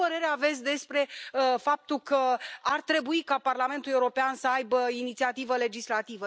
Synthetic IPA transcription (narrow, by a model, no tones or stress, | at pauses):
əɾe̞ɾeave̞t̪sʲd̪e̞spɾe̞fap̚t̪ulkəart̪ɾe̞buikaparlame̞nt̪ulieuɾo̞peansəajbəinit̪siat̪ivəle̞d͡ʒislat̪ivə